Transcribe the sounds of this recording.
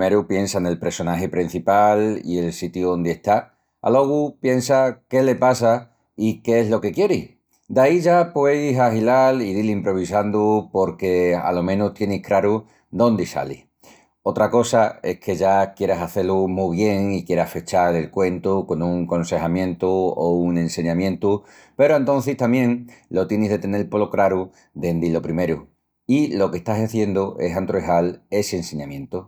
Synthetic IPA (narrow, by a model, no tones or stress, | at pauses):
meɾupje̞nsane̞lpɾe̞ɾso̞naɦe̞pɾin̟θipalḭe̞lsit̪juond̪eeht̪a | a̰lo̞ɣ̞upje̞nsake̞le̞pas̬a | ikeeɦlo̞ke̞kje̞ɾih | d̪aiʝapwe̞isaɦilaliðilimpɾo̞β̞isand̪upo̞ɾke̞a̰lo̞mẽ̞nuht̪je̞nihkɾaɾu | d̪o̞nd̪isa̰lḭ | o̞t̪ɾako̞sae̞hkʰe̞ʝakje̞ɾasaθe̞lumuβje̞ŋikje̞ɾahfet͡ʃaɾe̞lkwe̞nt̪uko̞nuŋkõ̞nse̞hamjẽ̞nt̪uouŋẽ̞nse̞ɲãmjẽ̞nt̪u | pe̞ɾoent̪õ̞n̟θist̪amjẽ̞ŋlo̞t̪jenizðe̞t̪e̞ne̞lpo̞lokɾaɾu | d̪e̞nd̪ilo̞pɾime̞ɾu | ilo̞ke̞ht̪asaθje̞nd̪uʔe̞sant̪ɾoeɦale̞seːnse̞ɲãmjẽ̞nt̪u